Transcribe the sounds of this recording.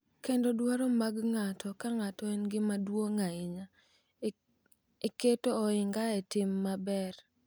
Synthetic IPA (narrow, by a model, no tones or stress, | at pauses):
kendodwaɾɔmaɡŋatʰɔkaŋatɔenɡɪmadwoŋaɪɲa | eketoːɪŋɡaetɪmːabɛr